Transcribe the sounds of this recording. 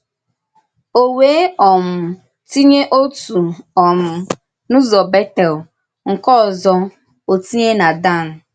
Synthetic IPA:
o˨weː˨˦ɔ˨m̩˨ | ti˦ɲe˦ʔo˦tu˨ɔ˨m̩˨ | nʊ̃˦zɔ˨bɛ˦tɛ˨l | ŋ̩˨kɔ˦˨zɔ˦ | o˨ti˦ɲe˦na˨da˦˨n̩˨

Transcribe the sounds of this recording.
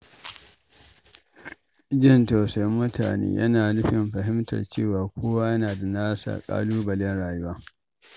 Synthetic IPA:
d͡ʒɪ˦˨nta˨sa˦jmːʊ˦ta̰ː˨nḛː˦jʔɐ̰˦naː˨nɪ˦ɸɪ˨mɸɐ˨ɦɪ˦mtɐ̰˨rt͡ʃḛː˦˨waː˨kʷoː˦wa˦jɐ˦naː˨da˨naː˦sa̰˨kʼa̰ː˦luː˦bɐ˨lɛ˦nɽaː˨jʊ˦waː˦

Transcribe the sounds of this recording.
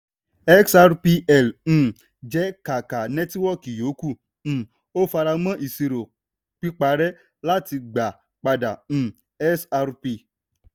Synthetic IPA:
ɛ˦ksa˧ɾpi˧ʔɛ˦˨l̩̃˦˨ | d͡ʒɛ˦ka˨ka˨nɛ̃˦twɔ˦˨ki˨jo˨˦kũ˦˨˦ | o˦fa˧ɾa˧mã˦ʔi˨si˨ɾo˨ | k͡pi˦k͡pa˧ɾɛ˦ | la˦ti˧ɡ͡ba˨ | k͡pa˧dã̰˨ | ɛ˦sa˧ɾpi˧

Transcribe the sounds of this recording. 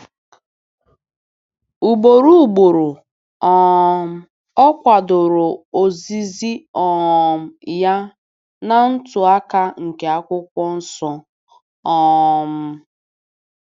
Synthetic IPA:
u˨ɡ͡bo˨ɾu˦u˨ɡ͡bʊ˨ɾʊ˨ | ɔ˦˨m̩˦ | ɔ˦kʷa˨dʊ˨ɾʊ˨o˨zi˦zi˦ɔ˨m̩˨ja˦ | na˦n̩˦tʊ˨a˦ka˦ŋ̩˨ke˨a˦kʷʊ˦kʷɔ˦n̩˦sɔ˦ | ɔ˦m̩˦

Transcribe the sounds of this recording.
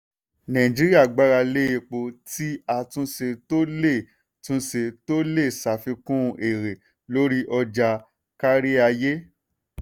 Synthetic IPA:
nã˨ĩ˨d͡ʒi˦ɾi˦a˦˨ɡ͡ba˦ɾa˧le˦e˧˨k͡po˧ti˦a˧tũ˦se˧to˦le˦˨ | tũ˦se˧to˦le˦˨sa˨fĩ˧kũ˦˧ʔe˨ɾe˨ | lo˦ɾi˦ʔɔ˧d͡ʒa˧ | ka˦ɾi˦a˧je˦

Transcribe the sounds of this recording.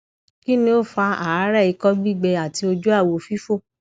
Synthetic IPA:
ki˦nĩ˧˦o˦˨fa˧a˨a˨˦ɾɛ˦˨i˨˧kɔ˦ɡ͡bi˦˨ɡ͡bɛ˧a˨ti˧o˧d͡ʒu˦a˦˨wo˧˨fi˦fo˦˨

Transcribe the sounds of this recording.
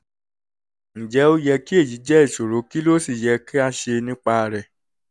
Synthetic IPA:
ñ̩˨d͡ʒɛ˨˦o˦jɛ˧ki˦e˦˨ji˨˦d͡ʒɛ˦i˦˨ʃo˨ɾo˨˦ki˦lo˦si˦˨jɛ˧ki˦a˧ʃe˧nĩ˦k͡pa˧ɾɛ˨

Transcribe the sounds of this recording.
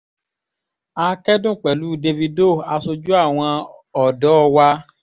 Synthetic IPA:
a˧˦kɛ˦dũ˦˨k͡pɛ˨lu˨˦de˧vi˧do˦˨a˨˧so˧d͡ʒu˦a˦˨w̃ɔ̃˧ɔ˨dɔ˨˦˧wa˧

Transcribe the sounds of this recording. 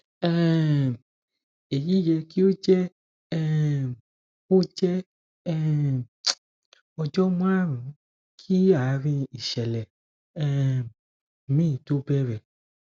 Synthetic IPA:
ɛ˦ | e˨ji˦jɛ˧ki˦o˦d͡ʒɛ˦ | ɛ˦ | o˦d͡ʒɛ˦ | ɛ˦ | ɔ˧d͡ʒɔ˦m˦ã˦ɾũ˨˦ | kʰi˦a˨˦ɾĩ˧i˨ʃɛ˨lɛ˨ | ɛ˦ | mĩː˦˨to˦bɛ˦ɾɛ˨

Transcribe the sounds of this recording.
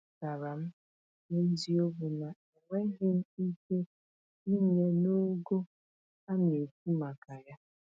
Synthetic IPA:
ka˨ɾa˨m̩˦ | ne˦zi˦o˦bu˨na˨ | i˨ŋʷe˦ɦɪ˦m̩˦i˦ke˦ | i˦ɲe˨no˦ɡo˦ | a˦mje˨k̚u˦ma˨ka˨ja˦

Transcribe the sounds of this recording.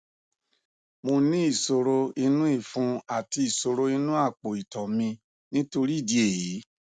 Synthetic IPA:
mo˧nĩ˦i˦˨so˧ɾo˦i˧nũ˦i˦˨fũ˧˦a˦˨ti˧i˨so˨˧ɾo˧i˧nũ˦a˦˨k͡po˨i˨tɔ˨mĩ˧ | nĩ˦to˧ɾi˦˨di˧e˦˨ji˨˦

